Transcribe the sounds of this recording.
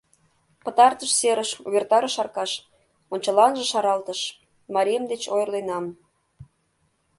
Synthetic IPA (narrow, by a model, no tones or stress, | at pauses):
pə̆t̪ɑrt̪əʃseɾəʃuβʲert̪ɑɾəʃɑrkɑʃ | onʲt͡ɕəlɑnʒə̆ʃɑɾɑlt̪əʃ | mɑɾʲemd̪et͡ɕojərlenɑm